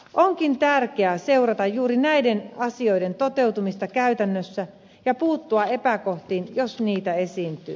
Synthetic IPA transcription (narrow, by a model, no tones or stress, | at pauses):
ʔoŋkint̪ærkeæse̞urɑt̪ɑjjuːɾinæidenɑsio̞ide̞nt̪ot̪e̞wt̪umist̪ɑkæyt̪ænːøsːæ | jɑpuːt̪ːuɑepækoht̪iːnjosniːt̪æesiːnt̪y̰ː